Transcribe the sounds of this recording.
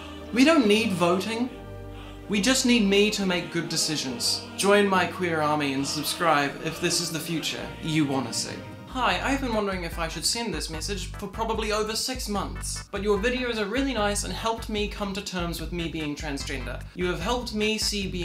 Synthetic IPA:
wiɾõʊ̃nːidvoʊɾɪ̃ŋ | wid͡ʒʌsⁿnid̚miɾɨmeɪk̚ɡ̥ʊdɨsɪʒɨ̃nz̥ | d͡ʒɔ̃ɪ̃nmaɪkʰw̥ɪɹɑɹmiɨ̃nsɨb̥skɹaɪbɪ̰fðɪsɨzðɨfjʉt͡ʃə̰˞jɨwɑ̃nɨsḭ | haɪa̰ɪɨvbɨ̃nwʌ̃ndə˞ɪ̃ŋɨfaɪʃɨd̥sɛ̃nðɪsmɛsɨ̥ʒ̥fə˞pʰɹ̥ɑbəblioʊvə˞sɪksmʌ̃nθsb̥ʌt͡ʃə˞vɪɾioʊzə˞ɹɪlˠinaɪsɨ̰̃nhɛlˠp̚tmikʰʌ̃mtɨtʰɜ̃˞mzwɨðmibiɪ̃ŋtʰɹ̥æ̃nzd͡ʒɛ̃ndə̰˞jɨːv̥ɦɛlˠp̚t̚misibĩ

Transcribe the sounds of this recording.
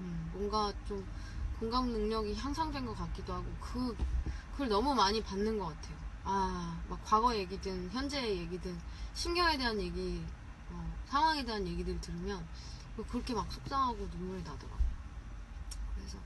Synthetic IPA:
ɯbwʌŋɡat͡ɕom | koŋɡamnɯŋɲʌɡiçjaŋsʰaŋd͡ʑweŋɡʌk͈ak͈̚idoɦaɡokɯkɯɭnʌmumaɲipanːɯnɡʌk͈atʰe̞joamak͈waɡʌje̞ɡidɯnçjʌnd͡ʑe̞ːje̞ɡidɯnɕʰimɡjʌŋe̞de̞ɦanje̞ɡi | mʌsʰaŋwaŋe̞de̞ɦanje̞ɡidɯɭtɯɾɯmjʌn | kɯkɯɾʌkʰe̞mak̚s͈ʰok̚s͈aŋɦaɡonumuɾenadoɡa̰tʰeo | kɯɾe̞sʰʌ

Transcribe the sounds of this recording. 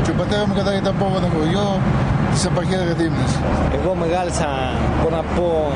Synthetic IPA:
t͡ʃopɐt̪eɾɐmukɐt̪ɐʝet̪ɐpovonɐxoðʝot̪isɐpɐɾçeɐɣɐθimnɐs | eɣomeɣɐlisɐ | ponɐpo

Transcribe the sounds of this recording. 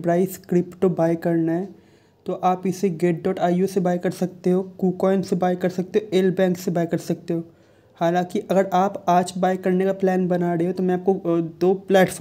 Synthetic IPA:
pɾaːɪskɾɪpʈkobaːjkɐɾnaɦɛ | t̪oʔaːpɪseɡeːʈ̚ɖɔːʈaːusebaːikɐɾsɐk̚t̪eɦoːkuːkɔːɪnsebaːjkɐɾsɐk̚t̪eɦoʔeːlbɛ̃ːŋksebaːikɐɾsɐk̚t̪eɦoː | haːlãːkiʔɐɡəɾʔaːpaːt͡ʃbaːikɐɾnekaplɛːnbɐnaːɽeɦot̪omɛ̃aːp̚kod̪oːplɛːʈfɔ

